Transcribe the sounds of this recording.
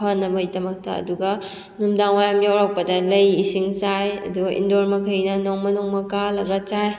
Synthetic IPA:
anːɐmɐjtɐmɐk̚tɐ̰ːduɡɐ | numdaŋwajamjawɾaw̚pɐdɐlɐjisiŋt͡ʃajɐ̰duɡɐʔḭndoɾmɐkʰɐjnɐnoŋmɐnoŋmɐkalɐɡɐt͡ʃaj

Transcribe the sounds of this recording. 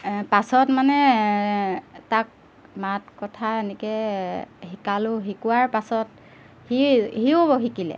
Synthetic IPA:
pasɔtmanɛ | tak̚ | mat̚kɔtʰaenɛkɛ | hikalʊɦikuwaɹpasɔt | hihiʊboɦikilɛ̰

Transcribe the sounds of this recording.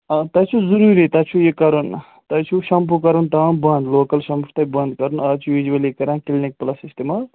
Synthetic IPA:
ɐt̪ɐt͡ʃʰuzuɾuɾit̪ɐt͡ʃʰujekɐɾun | t̪ɐt͡ʃʰuʃɐmpʰukɐɾunt̪ɐnbɐnd̪loːkɐlʃɐmpʰut̪ɐbɐnd̪kɐɾunɐːt͡ʃʰuʋid͡ʒuwɐlikɐɾãːnkilnik̚plɐsist̪imal

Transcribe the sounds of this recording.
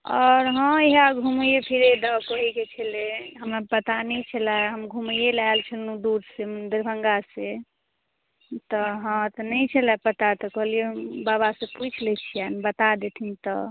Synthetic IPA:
ɔɾɦə̃iɦaɡʱumjepʰiɾed̪akəɦiket͡ʃʰeleɦəmɾapət̪anɛjt͡ʃʰəlaɦəmɡʱumjelaelt͡ʃʰəlnud̪uɾsemund̪iɾbʱəŋɡase | t̪ɔɦə̃t̪nəjt͡ʃʰəlapət̪at̪ɔkəɦlijeɦəmbaβasẽput͡ʃʰlɛt͡ʃʰijanbət̪ad̪et̪ʰint̪ɔ

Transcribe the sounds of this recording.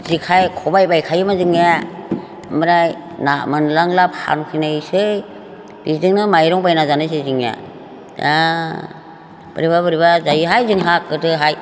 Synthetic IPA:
zikʰajkʰɔbajbajkʰajɯmazɯŋa | mɯɾaj | namɯnlaŋlapʰha̰nukʰinaisɯj | b̥izɯŋnɯmajɾɔŋbajnazanɯjs̬ɯzɯŋja̰ | a | b̥ɯɾibabɯɾibazajiɦajzɯŋɦakːɯtɯɦaj

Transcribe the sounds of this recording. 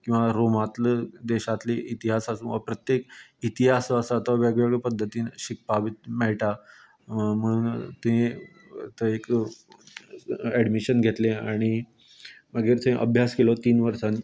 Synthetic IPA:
kĩw̃ʋaɾomat̪ləd̪eɕat̪liʔit̪iɦasasũʋəpɾət̪jekit̪iɦasəsət̪aʋjaɡʋaɡəpəd̪ʱːət̪iːnɕik̚pabit̪̚mɛɭʈa | m̤əɽuːnt̪ẽ | t̪əek | ɛɖmiɕənɡʱet̪lẽaɽ̃i | məɡeɾt͡sʰə̃ĩʔə̰bʱjaskelɔt̪iːnʋəɾsãn

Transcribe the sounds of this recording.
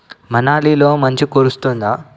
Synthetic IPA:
mɐnaːliːlo̞ːmɐɲt͡ʃikoɾust̪und̪aː

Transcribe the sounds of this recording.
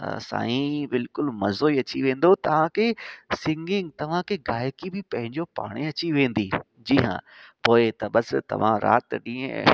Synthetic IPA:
sa̰ːĩbɪlkʊlmɐzoːiɐt͡ɕiʋẽːn̆d̪ot̪ɐʋ̤ãkʰeːsɪ̃ŋɡɪ̃ŋɡt̪ɐʋ̤ãkʰeɡaːɪkibʱɪpɐ̃ɦɪ̃ɲd͡ʑopa̰ːɽ̃eɐt͡ɕiʋẽːn̆d̪i | d͡ʑiːɦã̰ | poːɪt̪ɐɓɐst̪ɐ̰ʋ̤ã̰ɾa̰ːt̪ɗĩːḛ̃

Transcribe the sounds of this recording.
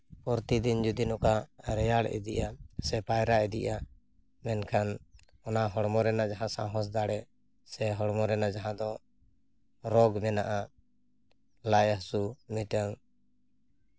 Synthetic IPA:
pɔɾt̪id̪ind͡ʒud̪inɔkaɾɛjaɽʔɛ̰d̪iʔasɛpajɾaʔɛd̪ḭʔa | mɛnkʰan | ɔnaɦɔɽmɔɾɛnaʔd͡ʒaɦãsãɦɔs̬d̪aɽɛ | sɛɦɔɽmɔɾɛnaʔd͡ʒaɦãd̪ɔ | ɾɔɡmɛnaʔa | lajahsumiʈaŋ

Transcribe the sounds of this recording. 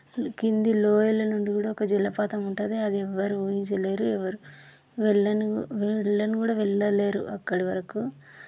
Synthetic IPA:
kind̪iloːjɐlɐnuɳɖikuːɽaːɔkɐd͡ʒilːɐpaːt̪ɐmuɳʈaːd̪eɐd̪iɛʋːɐɾuujiɲt͡ʃɐle̞ːɾuɛʋɐɾu | ʋɛɭːɐnuʋɛɭːɐnukuːɽaːʋɛɭːɐlːeːɾṵʔɐkːɐɽiʋɐɾɐku

